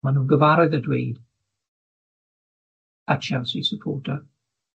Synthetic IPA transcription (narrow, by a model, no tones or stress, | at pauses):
manuːnɡəvaɾɔðədwejd̥ | at͡ʃavsisəpʰɔːtʰa